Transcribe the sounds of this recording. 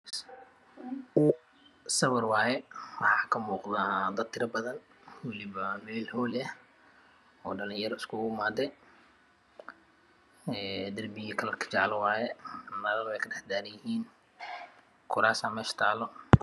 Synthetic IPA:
ʊ | sɐβɐrwɑːjɛwɑħɑːkʰɐmuːqðad̪ɐd̪t̪ʰɪɾɐbɐðɐn | wɐlɪβɐmɛːlhɔːlɐh | ɔːɖɐlɪ̃jɐɾɔɪskʰʊʊmaːd̪ɛ | ɛːd̪ɐrbɪɣikʰɐlɐrkʰɐ̥t͡ʃɑʕlwaːjɛnɐɾɐlwɛjkʰɐɖɛħd̪aːɾɐjɪɦiːn | kʰʊɾaːsaːmɛːʃt̪ʰaːlɔ

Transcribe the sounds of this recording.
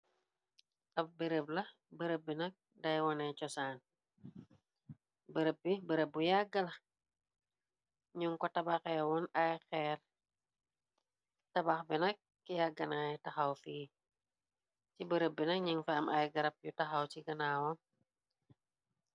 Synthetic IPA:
ʔɐp̚bəɾəp̚lɐh | bəɾəb̚ːinɐk̚ | dajwɔnɛt͡ʃɔsaːn | bəɾəp̚ːibəɾəb̚ujaɡɐlɐ | ɲuŋkɔtɐbakɛwɔnajxɛr | tɐbakbinɐk̚ː | jaɡɐnajtaxawfi | t͡ʃibəɾəbinɐk̚ɲiŋfɛɐmʔajɡɐɾɐp̚jutaxawt͡ʃiɡɐnaːwɔ

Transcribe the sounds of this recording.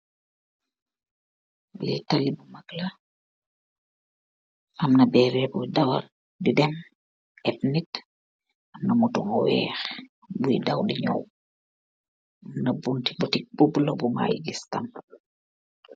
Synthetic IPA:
litalibumaɡla | ʔɐmnɐbɛːɾɛbudawa̰ | didɛm | ɛpnit | amnɐmutuŋɔwɛ̰ːx | bujidawdiɲɔ̰w | mnɐbunti̥butik̚bublobuma̰jɡistam

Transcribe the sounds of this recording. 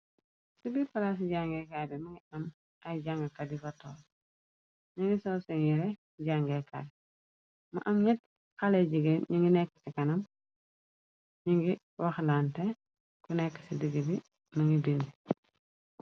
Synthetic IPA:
ssubifɐlas̬ɟaːŋɡɛkadɛmɐŋɡiɐm | ʔɐjɟaŋɡɐkɐdifɐtɔːl | ɲuŋɡisɔsiŋiɾɛ | ɟaːŋɡɛka̰ːd | mɐ̰ʔɐmɲɛt | xɐlɛɟiɡenɲuŋɡinɛkːɐ̥sikɐnɐm | ɲuŋɡi | wɐxlantɛ | kunɛkːɐ̥sidiɡebi | mɐŋɡiduni

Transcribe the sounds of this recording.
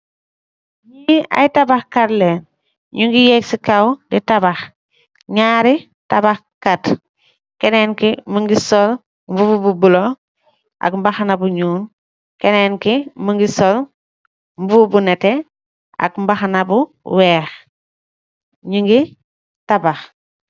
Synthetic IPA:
jia̰jtabaxkatleːn | ɲuŋɡijeksikawditabax | ɲaːɾi | tabax | kat | keneːnkimuŋɡisol | mbubububulo | ʔa̰kmbaxanabuɲuːn | keneːnkimuŋɡisol | mbubunete | a̰kmbaxanabuweːx | ɲuŋɡi | tabax

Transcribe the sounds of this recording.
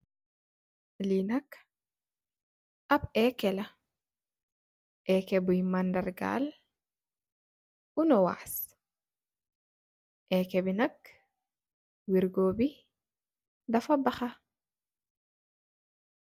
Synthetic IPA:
linak | ʔabɛkɛla | ʔɛːkɛbujmandaɾɡa̰l | ʔunɔwa̰ːs | ʔɛkɛbinak | wiɾɡoːbi | dafabaxa

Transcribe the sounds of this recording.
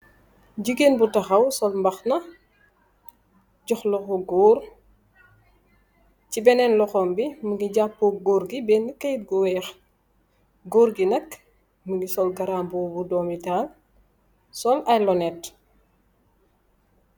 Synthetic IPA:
ɟiɡenbutɐxɐwsɔlmbɐxnɐ | ɟɔxlɔxɔɡɔːɾ | cibɛnɛnlɔxɔːmbimuɡiɟapːɔɡɔɾɡibɛːnəkɐjit̚ɡuwɛːx | ɡoːɾɡinɐk | muɡisɔlɡɐɾaːmbɔːbudɔːmitaːl | sɔlɐjlɔnɛt

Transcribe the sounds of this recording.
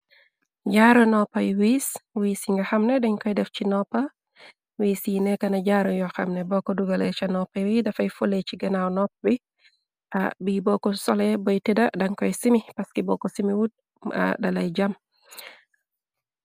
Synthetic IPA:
d͡ʒaɾɔnɔpːajwiswiːsiŋɡahamnɛdɛɲkɔjdɛft͡ʃinɔpːa | wiːsinɛkanad͡ʒaɾɔjɔxa̰mnɛbɔkɔduɡalɛt͡ʃanɔpːajwidafajfolet͡ʃiɡanawnɔpwi | ʔa̰bibɔkɔsɔlɛbɔjtɛdadaŋkɔjsimipaskɛbɔkɔsimiwud̚ | a̰dalajd͡ʒam

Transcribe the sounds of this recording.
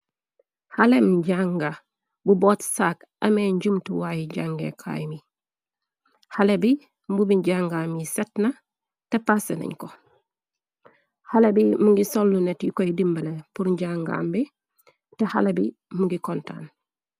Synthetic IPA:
halemɟaŋɡa | buboːtsaːk | ɐmeɲɟumtuwaːjiɟaŋɡḛkʰa̰jmi | halebi | mbubiɲɟaŋɡamisetnɐ | tepasenɐ̰ɲko | halebimuŋɡisolːunetjukojidimbəlepuɾɲɟaŋɡa̰ːmbi | teha̰lebi | muŋɡikonta̰ːn

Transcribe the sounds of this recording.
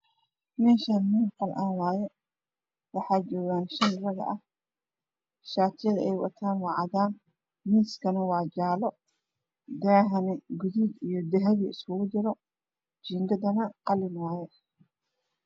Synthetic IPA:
mɛːʃɐnmiːnqɐlʔaːnwɑːjɛ | wɑħɑːt͡ʃɔːɣaːnʃɐnrɐɣɐ̰ʔɐh | ʃaːt̪ʰɪjɐðɐʔɛjwɐ̰t̪ʰaːnwɑʕɑðaːn | miːskʰɐnɐwɑːd͡ʒaːlɔ | d̪aːɦɐnɛɡʊðid̪ijɔd̪ɛɦɐβiɪskʰʊɣʊt͡ʃɪɾɔ | d͡ʒiːŋɡɐd̪ɐnɐqɑlɪnwɑːjɛ

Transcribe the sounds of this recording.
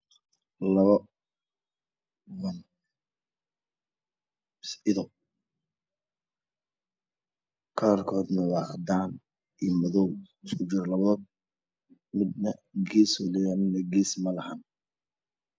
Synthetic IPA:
lɐβɐ | wɐn | sɪðɔ | kʰaːrkʰɔːd̪nɐwɑd̪aːn | iːmɐðɔwɪskʰʊt͡ʃɪɾlɐβɐðɔ | mɪd̪nɐɡɛːswɐlɪjamɪd̪nɐɡɛːsmɐlɐhaːn

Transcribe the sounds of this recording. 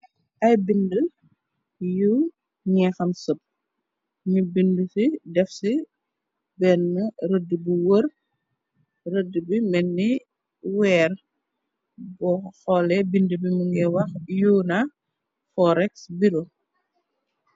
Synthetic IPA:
ʔɐjbində | ju | ɲɛxɐmsəp̚ | ɲibindusidɛfsi | bɛnːəɾədːəbuwər | rədəbimɛnːi | wɛːr | bɔxɔlɛbindəbiməŋɡɛwɐxjuːnɐ | fɔɾɛksbiɾu

